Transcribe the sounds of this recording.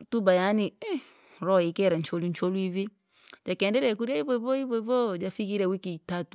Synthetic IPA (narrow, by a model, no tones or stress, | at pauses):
tubajani | ɾɔikɛɾaɲt͡ʃoluɲt͡ʃoluivi | d͡ʒakɛndɛɾɛkuɾiaiβɔβɔiβɔiβɔd͡ʒafikiɾɛwikitatu̥